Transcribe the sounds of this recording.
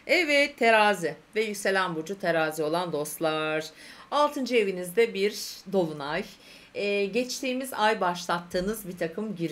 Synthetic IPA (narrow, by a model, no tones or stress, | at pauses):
ɛvɛt̪ʰːeɾaːzɪvɛjycse̞lʲænbud͡ʒut̪ʰe̞ɾaːzio̞lˠand̪o̞st̪lˠaɾ̥alˠt̪ʰɯnd͡ʒɯe̞vinizd̪ɛbiɾd̪o̞lˠunaj | ɟɛt͡ʃt̪ʰiːmizajbaʃlˠat̪ʰːɯːnɯzbiɾt̪ʰakʰɯmɟiɾ